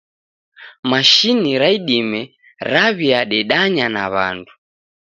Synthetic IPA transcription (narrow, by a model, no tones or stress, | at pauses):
maʃiniɾaiɗimɛ | ɾaβiaɗɛɗaɲana̰βa̰ndu